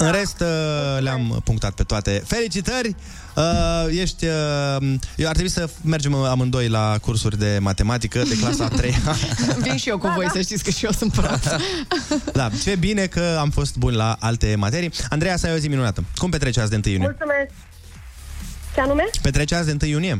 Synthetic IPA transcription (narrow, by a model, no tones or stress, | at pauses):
ɨnɾe̞st̪leampuŋkt̪at̪̚pe̞t̪oat̪e̞fe̞lit͡ʃit̪ərʲ | əje̞ʃt̪ʲəmjewat̪ɾebuisəme̞rd͡ʒemamɨnd̪o̞jlakursurʲd̪e̞mat̪e̞mat̪ikəd̪e̞klasəaat̪ɾe̞javinʃijewkuvo̞jsəʃt̪it̪sʲkəʃiosɨnt̪pɾo | d̪at͡ʃe̞bine̞kəamfo̞st̪bunʲlaʔalt̪e̞mat̪e̞ɾijand̪ɾejasajoziminunat̪əkumpe̞t̪ɾe̞t͡ʃeasd̪eɨnt̪ɨjunijulsumesk̚ | seanume̞pe̞t̪ɾet͡ʃas̬d̪ent̪ɨjːunije̞